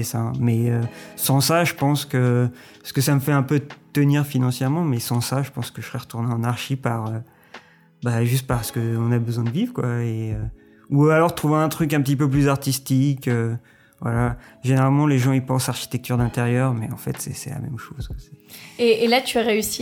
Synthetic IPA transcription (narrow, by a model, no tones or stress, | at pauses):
ɛsɛ̃mɛøsɑ̃saʒəpɑ̃skə | sə̥kəsaməfɛɛ̃pøt̪əniʁfinɑ̃sjɛʁmɑ̃mɛsɑ̃saʒəpɑ̃skəʒə̥sʁɛʁət̪uʁneɑ̃naʁʃipaʁø | baʒyst̪̚paʁsə̥kəɔ̃nabəzwɛ̃d̪əvivʁəkwaeø | ualɔʁt̪χuvẽɛ̃t̪χyk̬ɛ̃pət̪ip̬øplyzaʁt̪ist̪ikø | vwa̰laʒeneʁalmɑ̃leʒɑ̃ipɑ̃saʁʃi̥t̪ɛk̚t̪yʁd̪ɛ̃t̪eʁjœʁmɛɑ̰̃fɛ̰t̪sɛ̰sɛ̰la̰mɛ̰mʃoz̥kə̥sɛ̥eːlat̪ʰyaʁeysi